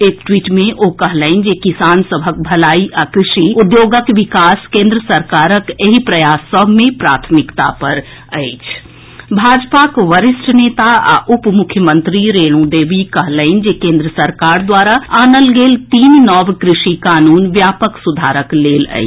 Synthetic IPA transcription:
eːkʈwiːʈmẽʔokɐɦləɪnd͡ʒekɪsaːnsəbʱək̚bʱɐlaːiʔakɾɪʃiʊd̪joːɡəkʋɪkaːskẽːnd̪ɾəsɐɾkaːɾəkeɦipɾɐjaːsɔbʱmẽpɾa̰ːt̪ʰmɪkt̪a̰pɐɾ | ə̰ɪt͡ʃʰ | bʱaːd͡ʒpakʋəɾɪsʈʰneːt̪aa̰ʔʊpmʊkʰːjəmə̃nt̪ɾiɾeːlũd̪eːʋikɐɦlə̃ɪnd͡ʒekẽːnd̪ɾəsɐɾkaːɾd̪waːɾaaːnəlɡeːlt̪iːnnɔːʋkɾɪʃikaːnuːnʋjaːpəksʊd̪ʱaːɾəkleːlə̰ḭ

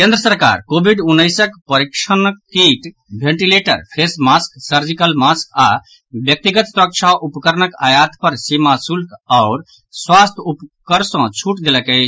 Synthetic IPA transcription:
kẽnd̪ɾəsəɾka̰ɾkobʱiɖunːəɪsəkpəɾikʃənəkːiʈ | bʱẽɳʈileʈə̰ɾpʰesmasksəɾd͡ʒikəlmaska | bjək̚t̪iɡət̪sɾək̚t͡ʃʰaʔupkəɾnəka̰jat̪pəɾsimasulkaʊɾ | swast̪ʰupkəɾsɔ̃t͡ʃʰuʈd̪eləkəɪt͡ʃʰ

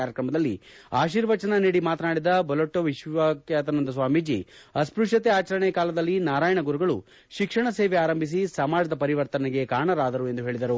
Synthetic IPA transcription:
aːɾjɐkɾɐmɐd̪ɐlːḭaːʃiːɾʋɐt͡ʃɐnɐniːɽimaːt̪ɐnaːɽid̪ɐbɐloʈːoʋiʃʋakjaːt̪ɐnɐnd̪ɐs̬ʋaːmid͡ʒiɐspɾuʂɐt̪eaːt͡ʃɐɾɐɳɛkaːlɐd̪ɐlːinaːɾaːjɐɳɐɡuɾuɡɐɭu | ʃikʂɐɳɐseːʋɛaːɾɐmbʱis̬isɐmaːd͡ʒɐd̪ɐpɐɾiʋɐɾt̪ɐnɛɡe̞kaːɳɐɾaːd̪ɐɾue̞nd̪uɦe̞ːɭid̪ɐɾu

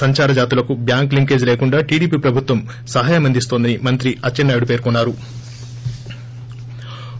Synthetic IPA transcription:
ɐɲt͡ʃaːɾɐd͡ʒaːt̪ilɐkubjaːŋkliŋke̞ːd͡ʒleːkuɳɖaːʈiːɽiːpiːpɾɐbʱut̪ʋɐm | sɐɦaːjɐmɐnd̪ist̪o̞ːnd̪ɐnimɐnt̪ɾiʔɐt͡ʃːɐnːaːjuɽupe̞ːɾkunːaːɾu

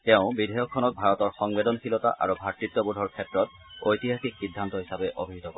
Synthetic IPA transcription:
tɛʊ̃bidʱɛjɔkʰːɔnɔk̚bʱaɹɔtɔɹxɔŋbedɔnxilɔta̰ʔa̰ɹubʱatɹit̪ːɔbudʱɔɹkʰɛtɹɔt | ojt̪iɦaxiksidʱːant̪ɔɦisabɛʔo̰bʱiɦit̪ɔkɔɹɛ

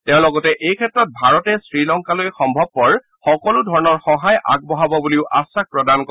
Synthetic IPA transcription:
tɛʊ̃lɔɡɔtɛʔejkʰɛtːɹɔt̚bʱaɹɔtɛsɹilɔŋkalojxɔmbʱɔb̚pɔɹ | xɔkɔlʊdʱɔɹɔnɔɹxɔɦaja̰ɡ̚bɔɦabɔbuliʊʔasak̚pɹɔdankɔ

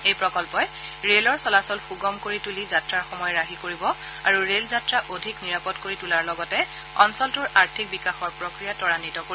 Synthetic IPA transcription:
ejpɹɔkɔlpɔjɹelɔɹsɔlasɔlpuɡɔmkoɹitulizatɹaɹxɔmɔjɔɹaɦikoɹibɔ | aɹuɹelzatɹaʔodʱikniɹapɔtkoɹitulaɹlɔɡɔtɛ | ɔnsɔltʊɹaɹtʰik̚bikaxɔɹpɹokɹijatɔɹanitɔkoiɔ

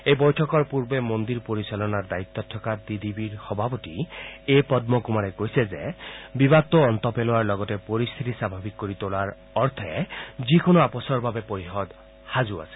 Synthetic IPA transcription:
ejbɔjtʰɔkɔɹpuɹbemond̪iɹpoɾisalɔnaɹd̪ait̪ːɔtʰːɔkad̪id̪ibiɹxɔbʱabɔtiepɔd̪̚mɔkumaɾɛkojsezebibat̪ːɔːnt̪ɔpeloaɹlɔɡɔtepoɾist̪ʰit̪isabʱabikkoɾit̪olaɹ | ɔɾt̪ʰɛzikonɔapɔsɔɹbʱabepoɾixɔd̪ | hazua̰se̥

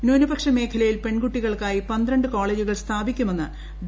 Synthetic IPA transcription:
noːnubɐkʂɐme̞ːkʰɐlɐjilpe̞ɳɡuʈːiɣɐɭkaːjipɐnd̪ɾɐɳɖɨko̞ːɭe̞ːd͡ʑuɣɐɭst̪ʰaːbikʲːume̞nːɨ | d̪

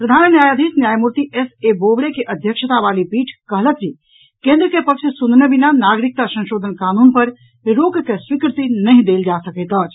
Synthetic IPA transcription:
pɾəd̪ʱaːnnjajəd̪ʱisnjajmuɾt̪iʔesebobɽekeʔəd̪ʱjəkʃʰət̪abalipiːʈʰkəɦlət̪̚d͡ʒi | kẽnd̪ɾəkepəkt͡ʃʰsund̪nebinanaɡɾik̚t̪asə̃nʃod̪ʱənkaːnunpəɾ | ɾoɡkeswikɾt̪inəɦĩd̪eld͡ʒasəkəjt̪ət͡ʃ

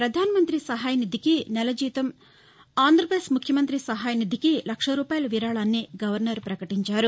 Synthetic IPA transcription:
pɾɐd̪ʱaːnɐmɐnt̪ɾisɐɦaːjɐnid̪ʱikinɛlɐd͡ʒiːt̪ɐm | aːnd̪ɾɐpɾeːsmukʰjɐmɐnt̪ɾisɐɦaːjɐnid̪ʱikilɐkʂɐɾuːpaːjɐlɐʋiɾaːɭaːnːiɡɐʋɐɾnɐɾpɾɐkɐʈiɲt͡ʃaːɾu

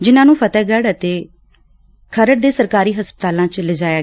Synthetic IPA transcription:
d͡ʒɪnãːnũːpʰət̪ɛːɡɛːɽət̪eː | kʰəɾəɽd̪eːsəɾkaːɾiːɦəspət̪aːlãːt͡ʃlɪd͡ʒaːjaː

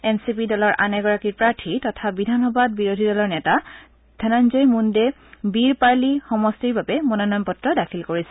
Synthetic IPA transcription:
ɛmsipidɔlɔɹʔanɛɡɔɹakiɹpɹaɹtʰitɔtʰabidʱanɔbad̚biɹodʱidɔlɔɹnɛta | d̥ʰʱananzɔjmundɛ | biɹpaɹlixɔmɔstiɹbabɛmɔnɔnɔjmpɔtɹɔdakʰilkoɹisɛ

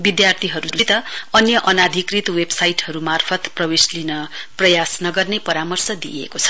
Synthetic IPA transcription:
bid̪jart̪ʰiɦʌɾuuit̪ʌʌnjʌʔʌnad̪ʱikrit̪websajʈɦʌɾumarpʰʌt̪prʌweslinʌprʌjasnʌɡʌrnepʌɾamʌrsʌd̪iḛkot͡sʰʌ̥

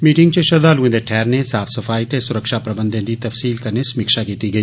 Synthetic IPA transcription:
miːʈɪ̃ŋɡ̚t͡ʃeʃɐɾd̪aːluẽd̪eʈʰɛːɾnesaːfsɐfaːit̪esʊɾəkʃapɾɐbə̃nd̪ẽnd̪it̪ɐfsiːlkɐɾnesɐmiːkʃakiːt̪iɡɐiː

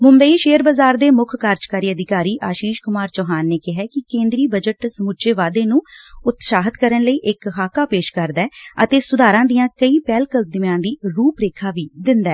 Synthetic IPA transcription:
mʊmbəiːʃeːəɾbəzaːɾd̪eːmʊkʰkaːɾd͡ʒkaːɾiːəd̪ɪkaːɾiːʔaːʃiːʃkʊmaːɾt͡ʃɔːɦaːnːeːkɪɦɛːkɪkẽːnd̪ɾiːbəd͡ʒəʈsəmut͡ʃeːʋaːd̪eːnũːʊt̪ʃaːɦət̪kəɾənləiːʔɪkɦaːkaːpeːʃkəɾd̪ɛːət̪eːsʊd̪aːɾãːd̪ijãːkəiːpɛːlkəld̪ɪmjãːd̪iːɾuːpɾeːkʰaːʋiːd̪ɪnd̪aɛː

